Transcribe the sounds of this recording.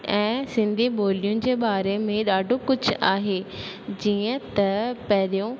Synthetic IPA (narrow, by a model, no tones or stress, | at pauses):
ɛ̃ːsɪ̃nd̪ʱiɓoːlijʊnɪ̆d͡ʑeːɓaːɾemẽɗaːɖʱokʊd͡ʑʱaːɦe | d͡ʑiːə̃t̪ɐpɐɦɪlijõ